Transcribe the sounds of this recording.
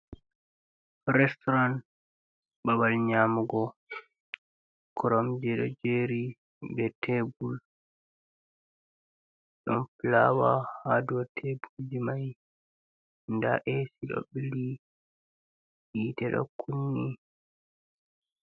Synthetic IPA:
ɾɛstɔɾan | babalɲamuɡɔ | kʰɔɾɔmd͡ʒɛɗɔ̰d͡ʒeɾi | bɛtʰɛbul | ɗɔ̰nplawahadɔtʰebuld͡ʒimaj | nda̰ʔesiɗɔ̰ɓili | ɓitɛɗɔ̰kʰːunːi

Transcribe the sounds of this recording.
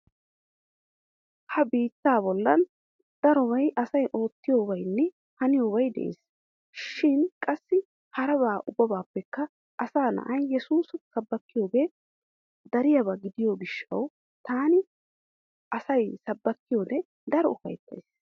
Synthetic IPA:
hɐbiːt̪ːaːbɔlːɐn | d̪̥ɐɾɔbɐjʔɐsɐjʔo̞ːt̪ːɪjoːbɐjnːɛ | hɐnɪjoːβɐjd̪ɛ̰ʔḛːs | ʃɪnkʼɐsːɪ | hɐɾɐβaːʔʊbːɐbaːpːɛkːɐ | ʔɐsaːnɐ̰ʔɐjːɛsuːssɐbːɐkːɪjoːɡeː | d̪ɐɾɪjɐβɐɡɪd̪ɪjoɡɪʃːɐ̰w | t̪aːnɪ | ʔɐsɐjsɐbːɐkːɪjoːd̪ɛ | d̪ɐɾɔʊfɐ̰jt̪ːɐ̰js

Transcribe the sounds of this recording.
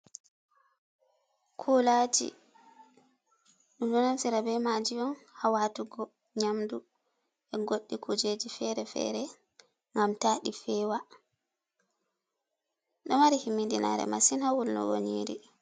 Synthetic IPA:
kʰulad͡ʒḭ | ɗudunasiɾabɛmad͡ʒijɔnhawatuɡɔ | ɲamdu | ʔɛɡoɗːikʰud͡ʒed͡ʒifɛɾɛfɛ̰ɾɛ | ŋɡamtaːɗifɛːwa | ɗɔmaɾihimːindina̰ɾɛ̰ma̰sinhawulnɔ̰wo̰ɲiɾḭ

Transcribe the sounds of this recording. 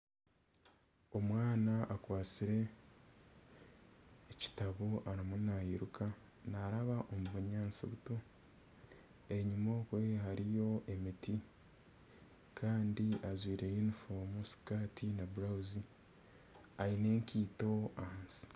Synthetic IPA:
o̞mwaːnaʔakwaːt͡siɾe̞ | ci̥taβoʔaɾamunahiɾukʰa | naɾaβaʔomuβuɲaːnsḭβuto | eɲimokwe̞haɾijo̞ʔe̞miti | kʰaːndiʔazwiːɾe̞junifomusi̥katʰinabuɾauzi | aine̞ːŋkiːto̞aansi̥

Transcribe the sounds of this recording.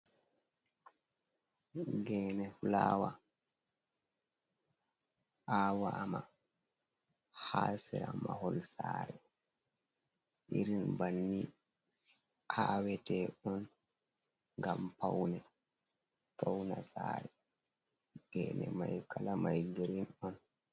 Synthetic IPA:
ɡɛːnɛflaːwa | ʔaːwaːma | hasɛɾamaɦɔlsaːɾɛ | ʔiɾinbanːi | hawɛtɛɔn | ŋɡampawnɛ | pawnasaːɾɛ | ɡɛːnɛ̰majkalamajɡeɾinɔn

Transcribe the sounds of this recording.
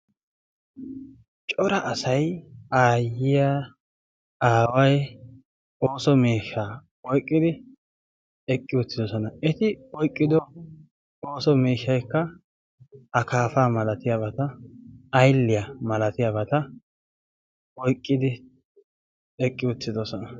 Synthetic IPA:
t͡ʃʼɔɾɐʔɐsɐjaːjɪja | aːwɐj | oːsɔmeːʃːaː | ɔjkʼːɪd̪ɪ | ɛkʼːɪʊt̪ːɪd̪ɔsɔnɐɛt̪ɪɔjkʼːɪd̪ɔ | oːsɔmiːʃːɐjkːɐ | ɐkaːfaːmɐlɐt̪ɪjabɐt̪ɐɐjlːɪjɐmɐlɐt̪ɪjabɐt̪ɐ | ɔjkʼːɪd̪ɪ | ɛkʼːɪʊt͡sːɪd̪ɔsɔnɐ

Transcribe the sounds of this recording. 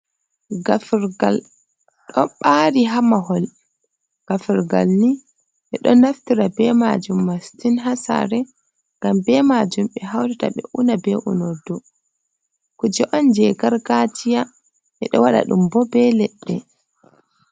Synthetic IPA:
ɡafɾɡal | ɗɔɓaːɾiɦamaɦɔl | ɡ̥afɛɾɡa̰lni | ʔɛɗɔnaftiɾabɛma̰d͡ʒumːastinɦasa̰ɾɛ | ŋɡambɛmad͡ʒumɓɛɦawdɛta̰ɓɛ̰ʔunabɛʔṵnɔdːɔ | kud͡ʒɛʔɔnd͡ʒɛɡaɾɡatʰija | ʔɛɗɔwaɗa̰ɗumbɔbɛlɛɗːɛ

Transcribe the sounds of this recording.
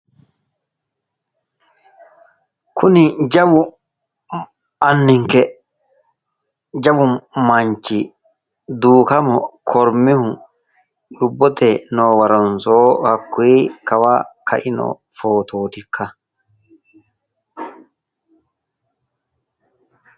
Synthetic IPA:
kʰʊnɪd͡ʒɐbʊ | ɐnːɪŋkɛ | d͡ʒɐbʊmmɐɲt͡ʃi | d̪uːkɐmɔkʰɔɾmɪhʊ | jʊbːɔt̪ɛnoːwɐɾɐnsoːhɐkːweːkɐwakʰɐ̰ʔɪno̰ | foːt̪ʰoːt̪ɪkʰːɐ

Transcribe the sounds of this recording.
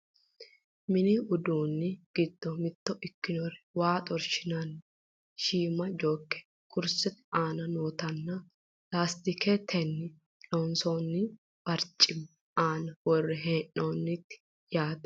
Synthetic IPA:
mɪnɪʊd̪uːnːɪɡ̥ɪd̪ːɔmɪt̪ːɔɪkːɪnɔrɪwaːt̪ʼɔɾʃɪnɐnː | ʃiːmɐd͡ʒoːkːɛ̥ | kʰʼʊɾsɛt̪aːnɐnoːt̪ɐnːɐ | laːst̪ɪkʰet̪ʰɛnːɪ | loːnsoːnːɪ | b̥ɐɾt͡ʃʼɪm | aːnɐwɔrːɛɦeːnːoːnːɪt̪ːɪ̥ | jaːd̪ɛ̥

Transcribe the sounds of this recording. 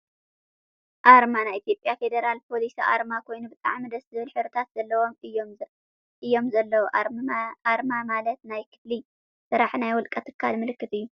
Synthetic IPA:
ʔaɾmanajit̪jo̞pʼjafe̞d̪ɐɾalpʰo̞lisiʔa̰ɾmakʰo̞jnubɨt̪ʼa̰ʕmid̪ɐszɨβɨlħɨɾɨt̪ʰat̪z̥ɐlːɐwo̞mɨjo | ʔɨjːo̞mzɐlːɐwoʔaɾmamalɐt̪najkʰɨ̥fli | sɨɾaħnajwɔlkʼɐt̪ʰɨ̥kʰːalmɨlɨkːɨt̪ɨjːu

